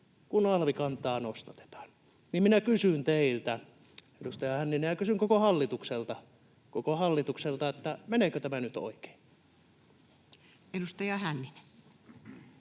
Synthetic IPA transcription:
kunɑlʋikɑnt̪ˑɑːnost̪ɑt̪e̥t̪ɑ̥ːn | nimminækysynt̪eilt̪æ | edust̪ɑjɑhænːinejɑkysyŋkokohɑlːit̪ukselt̪ɑ | kokohɑlːit̪ukselt̪ɑet̪ːæmeneːkøt̪æmænyt̪o̰ike̥ːn | edust̪ɑjɑhænːine̥

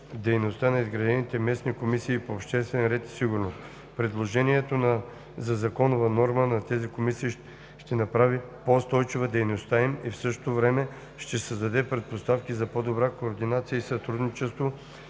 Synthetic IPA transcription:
d̪ɛjnost̪anɐizɡɾɐd̪ɛnit̪ɛmɛsnikomisiːpoːpʃt̪ɛst̪vɛnɾɛt̪i̥siɡʊɾnost̪ | pɾɛd̪lˠoʒɛniɛt̪onɐ | zɐzɐkɔnovɐnɔɾmənɐt̪ɛzikomisiː | ʃt̪ɛnɐpɾavi | poʊst̪ɔjt͡ʃivəd̪ɛjnost̪aimifsɤʃt̪o̥t̪ovɾɛmɛ | ʃt̪ɛsɐzd̪ɐd̪ɛpɾɛt̪̚post̪afkʲizɐpod̪obɾakoːɾd̪inat̪sijəisɐt̪ɾud̪nit͡ʃɛst̪vo

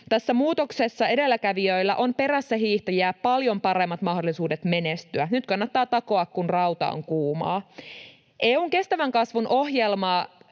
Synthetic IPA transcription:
t̪æsːæmuːt̪oksesːɑe̞de̞lːækæʋiøilːæ̰ʔo̞mpe̞ræsːæɦiːht̪ɑjæːppɑljo̞mpɑɾe̞mːɑt̪mɑhdolːˑisuːdet̪me̞nest̪yænyt̪kɑnːɑt̪ːɑːt̪ɑko̞ɑkkunrɑwt̪ɑ̰o̰ŋkuːmɑ̰ː | ʔeːuŋke̞st̪æʋæŋkɑsʋunʔo̞hjelmɑː

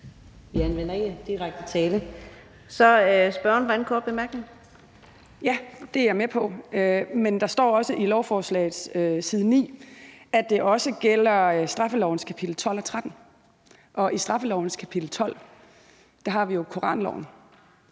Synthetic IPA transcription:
ʋiænʋen̰ɐeɡ̥əd̥iʁaɡ̥̚d̥ət͡sʰɛːlə | sɒ̽sb̥ɶɐnʋɔdænkʰɔ̰ːb̥emæɐɡ̥neŋ̩ | jæd̥e̝æɐmepʰɒ̽ømend̥ɑ̈sd̥ɒ̰ːɒ̽səʔilɒʊfɒːslɛ̰ɪð̩ˠsøsiːð̞ˠnḭːæd̥e̝ʔɒ̽səɡ̥el̰ɐsd̥ʁɑ̈fəlɒʊ̰n̩skʰæpʰid̥l̩t͡sʰɒ̽l̰ɒ̽t͡sʰʁad̥n̩ | ʔɒ̽ʔisd̥ʁɑ̈fəlɒʊn̩skʰæpʰid̥l̩t͡sʰɒ̽l̰ | d̥ɑ̈ɦɑ̈ʋijo̝kʰo̝ʁɑ̰̈ːnlɒʊ̰n̩

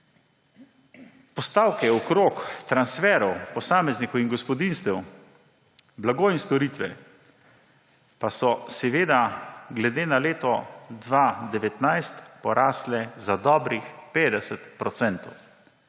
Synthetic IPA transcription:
pɔst̪aːwkɛɔkɾoːkt̪ɾansfɛːɾɔwpɔsaːmɛznikɔwinɡɔspɔd̪inst̪ɛw | blaɡoinst̪ɔɾiːt̪ʋɛ̰ | pasɔsɛʋeːd̪aɡlɛd̪eːnaleːt̪ɔd̪ʋad̪ɛʋɛt̪najst̪pɔɾʔaːslɛzad̪ɔbɾixpeːd̪ɛsɛt̪pɾɔt̪sɛnt̪ɔw

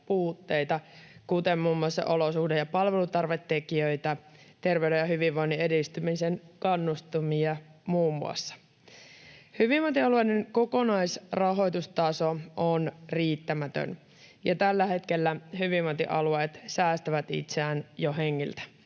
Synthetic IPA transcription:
puːt̪ːe̞jt̪ɑkut̪emmuːmːuɑsːɑ̰ʔo̞losuhdejɑpɑlʋe̞lut̪ɑrʋet̪ːe̞kiøjt̪æt̪e̞rʋewdejɑhyʋiʋʋojnːiedist̪ymisenkɑnːust̪umiɑmuːmːṵɑ̰sːɑ̥ | hyʋiʋʋot̪iɑluejneŋko̞ko̞nɑjsrɑɦo̞jt̪ust̪ɑsoʔonriːt̪ːæmæt̪ø̰n | jɑt̪ælːæhe̞t̪ke̞lːæhyʋiʋːot̪ḭʔɑlueːt̪sæːst̪æʋæt̪ḭt̪seæːnjoɦeŋːilt̪æ̥

